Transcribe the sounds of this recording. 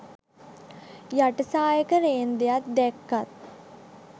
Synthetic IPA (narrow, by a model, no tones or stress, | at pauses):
jaʈəsaːjəkəɾeːnd̪ejat̪̚d̪ɛkːat̪̚